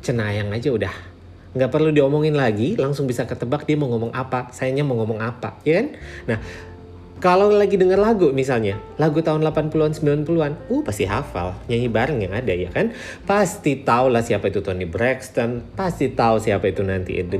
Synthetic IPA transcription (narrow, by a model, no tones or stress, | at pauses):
t͡ʃənajaŋad͡ʒaudah | ŋɡaʔpərludiɔmɔŋɪnlaɡilaŋsʊŋbisakət̪əbak̚diaməŋɔmɔŋʔapasajaɲaməŋɔmɔŋapa̰jakannah | kalawlaɡidəŋərlaɡumisalɲalaɡut̪aʊnlapanpuluansəmbilanpuluanupast̪iɦafa̰lɲaɦibaɾəŋjaŋadajakan | past̪it̪aulahsiapait̪ut̪onibɾɛkst̪ɔnpast̪it̪ausiapait̪unant̪ḭʔd